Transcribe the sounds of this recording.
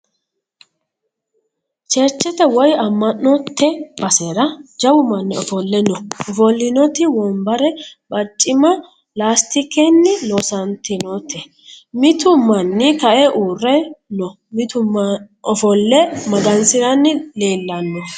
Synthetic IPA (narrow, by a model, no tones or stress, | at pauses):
t͡ʃɛɾt͡ʃːɛt̪ɛwɔjɐmːɐnːɔt̪ʰːɛb̥ɐsɛɾɐd͡ʒɐwʊmɐnːɪɔfɔlːɛnɔɔfɔlːɪnɔt̪ɪwɔmbɐɾɛbɐt͡ʃʼːɪmɐ | laːst̪ɪkːɛnːɪloːsɐnt̪ɪnɔt̪ɛ | mɪt̪ʊmɐnːɪk̪ɐʔɛʔuːrːɛnɔ | mɪt̪ʊ | ɔfɔlːɛmɐɡɐnsɪɾɐnːɪle̞ːlːɐnːɔ